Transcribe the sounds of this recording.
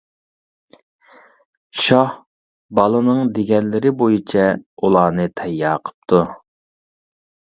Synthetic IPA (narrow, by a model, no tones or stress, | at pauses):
ʃɑh | bɑlˠɨnɨŋd̪eɡʲɛnlɪɾɪbojit͡ʃʰɛulˠɑːnɨt̪ʰɛjːɑːqʰə̥p̚t̪ʰu